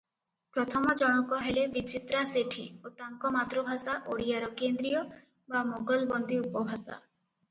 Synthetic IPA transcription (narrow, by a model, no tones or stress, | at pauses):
pɾɔt̪ʰɔmɔd͡ʒɔɽ̃ɔkɔɦelebit͡ʃit̪ɾaseʈʰiot̪aŋkɔmat̪ɾubʱasaʔoɽijaɾɔkend̪ɾijɔ | bamoɡɔlbɔnd̪ʱiupɔbʱasa̰